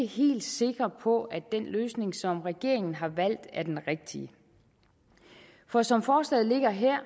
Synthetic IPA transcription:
əhe̝̰ːld̥se̝ɡ̥ʁɐpʰɒ̽æd̥enløːsne̝ŋsɒ̽mʁɛɡ̥e̝ɐ̰e̝ŋn̩ɦɑ̈ʋæl̰d̥æɐd̥enʁeɡ̥̚d̥iə | fɒ̽sɒ̽mfɒːslɛ̰ðˠle̝ɡ̥ɐɦeɐ̰

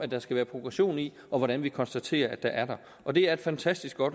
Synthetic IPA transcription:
æd̥ːɑ̈sɡ̥æʋæːɐpʰʁo̝ɡ̥ʁɑɕo̝̰ːni | ʔɒ̽ʋɒɾænʋikʰɒ̽nsd̥æt͡sʰe̝̰ːɐæd̥ɑ̈ʔæɐɾɑ̈ | ʔɒ̽d̥e̝æɐe̝d̥fænt͡sʰæsd̥isɡ̥ɒ̽d̥

